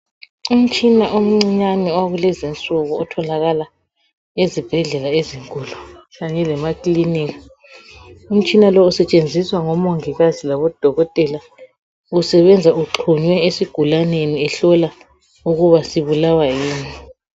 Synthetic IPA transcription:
um̩t͡ʃʼinaʔom̩ŋ͡ǀiɲaniaɣulɛzint͡sʼuɣuːtʰɔlaɣala | ezib̥ʱɛɮɛlaeziŋkʼulut͡ʃaɲɛlɛmakʼliniɣa | um̩t͡ʃʼinalɔusɛt͡ʃʼend͡zʱiswaŋɔmoŋiɣazilaβɔd̥ʱɔɣɔtʼɛla | usɛβɛnd͡zʱauǁʰuɲwɛesiɡ̥ʱulaneniɛɬɔla | uɣuβasiβulawajiːni

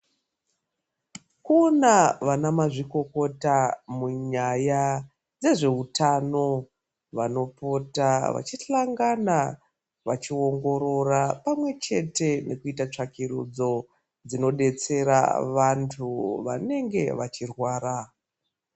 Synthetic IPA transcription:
kunaʋanamaʐiko̞ko̞tamuɲaja | d͡ze̞ʐe̞ɦutano̞ | ʋano̞po̞taʋa̰t͡ʃiɬaŋɡana | ʋat͡ʃio̞ŋɡo̞ɾo̞rapamwe̞t͡ʃe̞te̞ne̞kuitat͡ʂakiɾud͡zo̞ | d͡zino̞ɗe̞t͡se̞ɾa̰ʋantʰuʋa̰ne̞ŋɡe̞̰ʋat͡ʃirwaːɾa

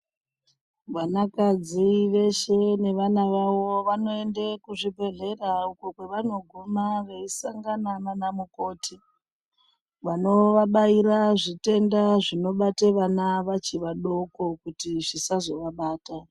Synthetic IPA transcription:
ʋanakad͡ziʋe̞ʃe̞ne̞ʋanaʋawo̞ʋano̞e̞ndekuʐibʱe̞ɮe̞rauko̞kwe̞ʋano̞ɡʱumaʋe̞isaŋɡanananamuko̞ːtʰi | ʋano̞ʋaɓaiɾaʐite̞ndaʐino̞ɓateʋanaʋat͡ʃiʋaɗo̞ko̞kutiʐisazo̞ʋaɓaːta

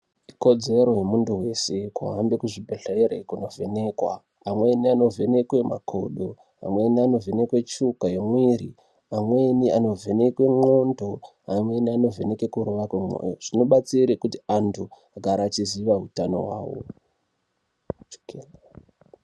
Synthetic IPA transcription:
iko̞d͡ze̞ɾo̞je̞munduwe̞se̞kwṵɦambekuʐibʱeɬeɾḛkuno̞vene̞kwa̰ː | mweniano̞vʱe̞ne̞kwema̰kʰo̞ɗo | a̰mwe̞niano̞ve̞ne̞kwe̞t͡ʃukajemwiɾi | amweniano̞ve̞nekwe̞mo̞ndo̞ | amwe̞niano̞ve̞ne̞kekuɾuʋakwemo̰joʐ̥inoɓat͡siɾekutiantʰu | aɡʱaɾaːt͡ʃiziʋaɦutano̞̰wa̰ːwo̰ | t͡ʃo̥ke

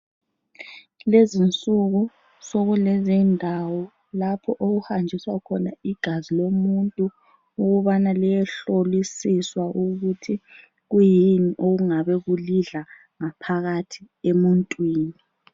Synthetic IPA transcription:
lezint͡sʼuɣu | soɣulɛzindʱawɔ | lapʰɔʔoɣuhand͡ʒʱiswakʰɔna̰iɡ̥ʱazilomuntʼu | uɣuβanalijɛɬolisiswaʔuɣutʰi | ɣujiniʔoɣuŋaβɛɣuliɮa | ŋapʰaɣatʰi̥ | emuntʼwiːni

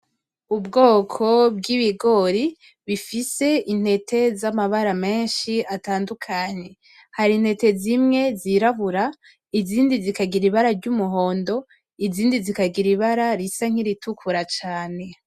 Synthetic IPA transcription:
ubɡo̞ːkʰo̞bɡiβiɡo̞ɾi | βifise̞in̥he̞tʰe̞zamaβaɾame̞ːnʃiataːndukʰaɲe̞ | haɾin̥he̞te̞zimŋe̞ziɾaβuɾa | iziːndizikaɡiɾiβaɾaɾɟumuɦo̞ːndo̞ | iziːndizikaɡiɾiβaɾaɾisaŋ̥iɾitukʰuɾat͡ʃaːne̞

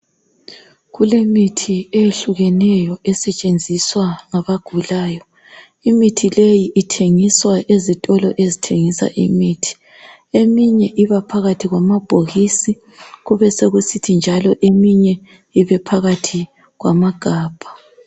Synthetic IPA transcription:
ɣulemitʰieeɬuɣɛnɛjɔɛsɛt͡ʃʼend͡zʱiswaŋaβaɡ̥ʱulaːjɔ | imitʰilejiʔitʰeŋiswaʔezitʼɔlɔʔezitʰeŋisa̰ʔimiːtʰi̥ | emiɲɛʔiβapʰaɣatʰiɣwamab̥ʱoɣisi | ɣuβɛseɣusitʰind͡ʒʱalɔʔemiɲɛ | iβɛpʰaɣatʰi | ɣwamaɡ̥ʱaːb̥ʱḁ

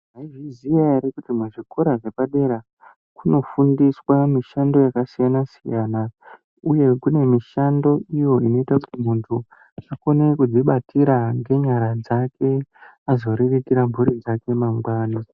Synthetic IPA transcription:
ʐaiʐizijaɾekutimaʐiko̞ɾaʐe̞paɗe̞ɾa | kuno̞fundiswamiʃando̞jakasijanasijaːna | uje̞kune̞miʃando̞ijo̞ino̞itakutim̤untʰu | ako̞ne̞kud͡ziɓatiɾaŋɡe̞ɲaɾad͡zake̞ | azo̞ɾirikiɾambʱuɾid͡zake̞maŋɡwaːni

